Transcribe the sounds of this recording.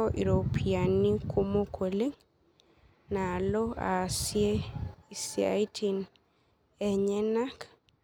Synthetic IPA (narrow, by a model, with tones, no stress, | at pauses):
ɔʔi˨ɾo˨pʰia˨ni˦kʰu˦mo˦kʰo˨le˦ŋ | na˨lɔ˦a̰˨sieisia̰jtʰin | ɛ˨ɲɛ˦na˦k